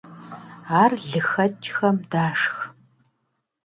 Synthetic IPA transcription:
aːrɮɨxɐt͡ʃʼxɐmdaːʂx

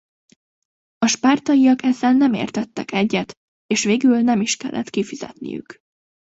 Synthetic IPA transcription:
ɒʃpaːrt̪ɒjiɒkɛzɛnːɛmḛːrt̪ɛt̪ːɛkɛɟːɛt̪ | eːʃʋeːɡylnɛmiʃkɛlːʔɛ̰t̪kifiz̥ɛ̰t̪nḭjy̰k

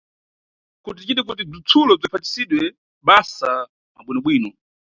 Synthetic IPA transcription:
kut̬it͡ʃiɗik̬ut̬ib͡ʐit͡sʰulɔb͡ʐipʰati̥siɗwɛ | ɓasaː | ɓwinɔɓwiːnɔ

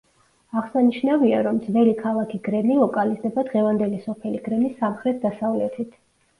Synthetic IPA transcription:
aʁsaniʃnavia̰ɾɔmd̪zvɛlikʰalˠakʰiɡɾɛnilˠɔkʼalizd̪ɛbad̪ʁɛvand̪ɛlisɔpʰɛliɡ̥ɾɛmisːamχɾɛt̪̚ʰd̪asavlɛt̪ʰit̪ʰ

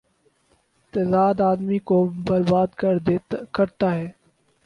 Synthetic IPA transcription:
t̪ɛːzaːd̪aːd̪mikobɐɾbaːd̪kəɾkɐɾt̪aɦɛː

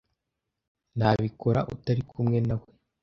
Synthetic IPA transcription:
nhaːβikʰo̞ɾa̰ʔutaɾikʰumŋe̞nawe

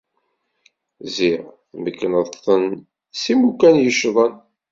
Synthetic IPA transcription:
ziʁθməkːənəðˤt̪ˤːən | simukænjəʃðˤən

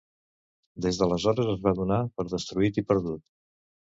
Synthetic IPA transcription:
d̪ezðələzɔɾəzəzβaðunapəɾðəst̪ɾuit̪ipəɾðut̪

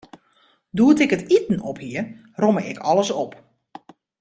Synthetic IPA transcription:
duətɪkətitn̩ɔphiər | roməɪkʰɔləsɔp

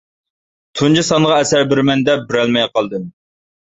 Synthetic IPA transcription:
t̪ʰund͡ʒisɑnʁɑɛsæɾbɪɾmɛnd̪ɛp̚bɪɾɛlmɛjqʰɑlˠd̪ɨm

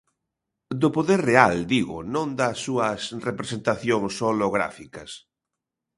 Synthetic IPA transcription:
d̪opoðeɾreald̪iɣʊ̰nõnd̪asːuɐsrepɾesent̪aθjoŋsoloɣɾa̰fikɐs

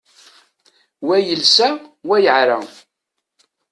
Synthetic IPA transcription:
wæjəlsæwæjəʕɾa̰

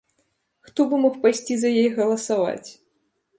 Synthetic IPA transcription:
xt̪ɔbɨmɔxpajsʲt͡sʲizɐjejɣɐlˠɐsava̰t͡sʲ

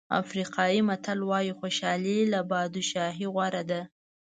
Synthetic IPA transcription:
a̰fɾiqʰɑjimat̪alwɑjixoʃɑlilabɑd̪uʃɑɦiɣwaɾad̪a

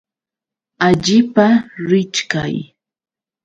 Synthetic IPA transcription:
aʎɪpaɾɪt͡ʃkaj

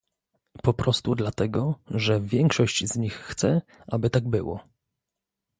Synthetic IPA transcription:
pɔpɾɔst̪ud̪lat̪ɛɡɔʐɛvʲjɛŋkʂɔɕt͡ɕzɲixːt̪sɛ | ʔabɘt̪aɡbɘ̰wɔ̰

